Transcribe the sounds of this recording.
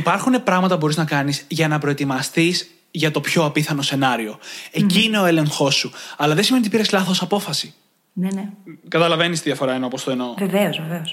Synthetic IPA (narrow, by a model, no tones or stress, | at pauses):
ipɐɾxune̞pɾɐɣmɐt̪ɐbo̞ɾiznɐkɐnizʝɐnɐpɾo̞e̞t̪imɐst̪iz | ʝɐt̪o̞pço̞ɐpiθɐno̞se̞nɐɾio̞e̞ciːne̞o̞ele̞ŋxo̞sːuɐlɐðesime̞nit̪ipiɾeslɐθosɐpo̞fɐsi | nenekɐt̪ɐlɐve̞nist̪iðiɐfo̞ɾɐenopost̪oeno̞veveozveveos